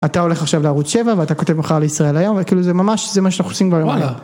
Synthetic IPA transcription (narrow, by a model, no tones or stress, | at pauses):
at̪ao̞le̞χaχʃavleaʁut͡sʃe̞vaveat̪ako̞t̪e̞vmaχaʁleisʁae̞lajo̞mvekiːluzemamaʃzemaʃeanaχnusimbajoa